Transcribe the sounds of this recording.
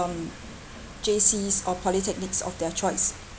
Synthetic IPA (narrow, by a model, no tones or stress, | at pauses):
ɔ̃n | d͡ʒesisɔpʰɔlitʰɛk̚nɪksɔ̰fdɛt͡ʃʰɔɪs